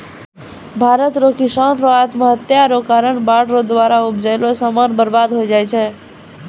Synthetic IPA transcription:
bʱaɾət̪ɾokʰisənɾoat̪məɦət̪jaɾokaɾəɳbaɽɾod̪waɾaupd͡ʒəjlosəmənbəɾbad̪ɦojd͡ʒajt͡ʃʰɛ

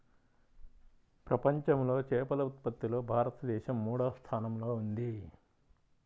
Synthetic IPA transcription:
pɾɐpɐɲt͡ʃɐmlo̞ːt͡ʃɛːpɐlɐut̪̚pɐt̪ːilo̞ːbʱaːɾɐt̪ɐd̪ɛːʃɐmːuːɽɐʋst̪ʰaːnɐmlo̞ːund̪i

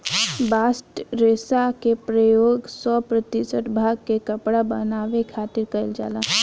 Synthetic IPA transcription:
baːsʈɾeːsakepɾəjoːɡsɔːpɾət̪isəʈbʱaːɡkekəpɽabənaːʋekʰaːt̪ɪɾkəɪld͡ʒa̰ːlaː

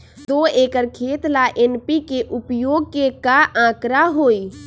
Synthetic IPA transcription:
d̪oːeːkəɾkʰeːt̪laʔenpikeʔʊpjoːɡ̚kekaʔãːkɾaɦoːi

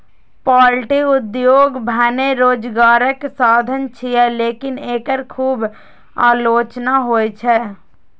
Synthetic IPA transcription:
paːlʈiʊd̪joːɡbʱɛneɾoːd͡ʒɡaːɾəksaːd̪ʱənt͡ʃʰiɛleːkɪneːkəɾkʰuːb | aːloːt͡ʃnaɦoːjt͡ʃʰɛ

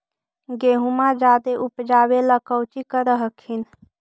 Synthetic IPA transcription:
ɡeɦumad͡ʒad̪eʔupd͡ʒabeləkəwt͡ʃikəɾəɦəkʰin

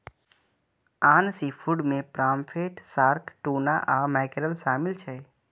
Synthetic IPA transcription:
aːnsipʰuɖmẽpɾaːmpʰeʈsaːɾkʈuːna̰ʔamɛːkɾəlʃaːmɪlt͡ʃʰɛ

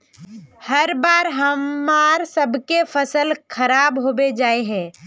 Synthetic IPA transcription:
həɾbaːɾɦəmːaːɾsəbʱkefʰəsəlkʰəɾaːbɦoːbed͡ʒaːeɦɛ̃ː

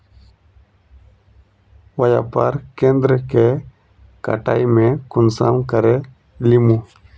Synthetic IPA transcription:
wəja̰pəɾkẽnd̪ɾəke | ka̰ʈa̰jmẽkʊnsa̰mkəɾe | limu

